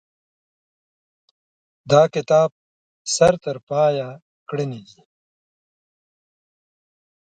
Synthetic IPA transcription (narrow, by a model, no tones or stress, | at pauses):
d̪aːkɪt̪aːb̚ | sɐɾt̪ɐɾpaːja | kɽinidi